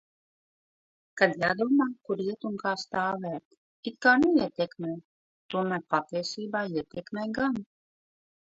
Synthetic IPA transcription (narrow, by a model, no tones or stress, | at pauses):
kad̪jaːd̪uɔmaːkuɾiɛt̪unkaːst̪aːvæːt̪ | it̪̚kaːnuiɛt̪ɛkmɛj | t̪uɔmæːɾpat̪iɛsiːbaːiɛt̪ɛkmʲɛjɡan